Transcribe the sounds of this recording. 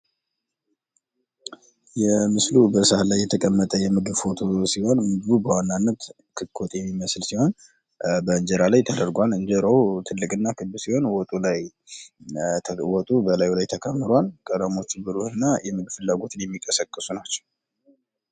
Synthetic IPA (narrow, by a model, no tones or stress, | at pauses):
jɛmɨslubəsalajːɛt̪ʰəkʼəmːət̪ʼəjɛmɨɡɨβfo̞t̪ʰo̞siho̞nmɨɡɨβubəwanːanːət̪ | kʰɨkʰːot̪ʼjɛmːiməslsiho̞n | bəɨɲd͡ʒɛɾalajt̪ʰəd̪əɾɡʷalɨnd͡ʒəɾəwt̪ʰɨlːɨkʼɨnːakʰɨbɨsiho̞nwɔt̪ʼulaj | wɔt̪ʼubəlajulajt̪ʰəkʰəmːɨɾalkʼəd̪əmo̞t͡ʃːɨbɨɾuhɨnːajɛmɨɡɨfɨlːaɡo̞t̪ʰɨnjɛmːikʼəsəkʼːɨsunat͡ʃːɛw